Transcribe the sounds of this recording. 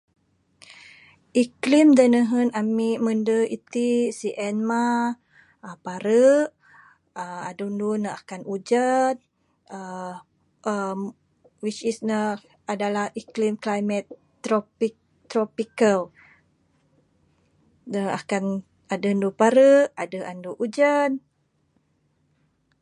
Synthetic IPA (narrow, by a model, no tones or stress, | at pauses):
ʔiklimdənəɦənamiʔməndəit̪isiʔɛnma | əpaɾəʔ | əadundunəakanʔud͡ʒat̪̚ | ə | ə | wit͡ʃisnə | adalahiklimklajmɛt̪ː | ɾopi | t̪ːɾɔpikəl | nəakan | adəndupaɾəʔadəʔanduʔud͡ʒən